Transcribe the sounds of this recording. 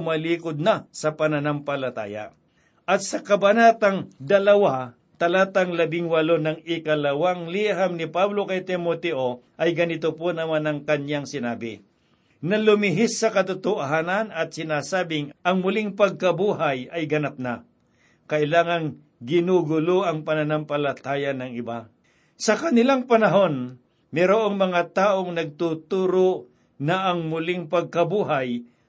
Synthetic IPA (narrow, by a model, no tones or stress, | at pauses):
mɐliːkod̪̚nɐsɐpɐnɐnampɐlɐt̪a̰ːja̰ | ʔɐt̪̚sɐkɐbɐnat̪ɐŋd̪ɐlɐwa | t̪ɐlaːt̪ɐŋlɐbɪŋwɐlonɐŋɪkɐlɐwaŋliɦamnɪpablokɐjt̪ɪmot̪ɛʔoʔɐjɡɐnɪt̪oponɐmanɐŋkɐnjaŋsɪnaːbɪ̰ | nɐlʊmɪɦɪsːɐkɐt̪ʊt̪ʊʔɦanɐnɐt̪̚sɪnaːsaːbɪŋʔɐŋmʊlɪŋpɐɡ̚kɐbuːɦajɐjɡɐnap̚na | kɐʔɪlaːŋɐn | ɡɪnuɡʊloʔɐŋpɐnɐnampɐlɐt̪aːjɐnɐŋɪba | sɐkɐnɪlaŋpɐnɐɦo̞n | mɛɾoʔoŋmɐŋat̪aːʔoŋnɐɡ̚t̪ut̪uːɾo | nɐʔɐŋmʊlɪŋpɐɡ̚kɐbuːɦaj